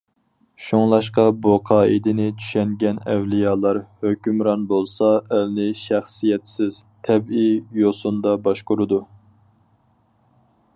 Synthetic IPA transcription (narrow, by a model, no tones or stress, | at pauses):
ʃoŋlˠɑʃqɑboqʰɑːid̪ɪnɪt͡ʃʰy̥ʃɛŋɡʲɛnɛ̰wlijɑːlˠɑɾhøkʲymɾɑnbolˠsɑælnɪʃæχsijɛt̪sɪz̥t̪ʰɛbijosund̪ɑbɑʃqʊɾɨd̪u